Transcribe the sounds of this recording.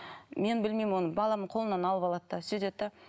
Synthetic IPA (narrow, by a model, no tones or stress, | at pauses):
me̞nbɪlmejmwo̞nəbɑlˠɑməɴqʰo̞lˠənɑnɑlˠəpɑlˠɑd̪d̪ɑsyd̪et̪ːɑ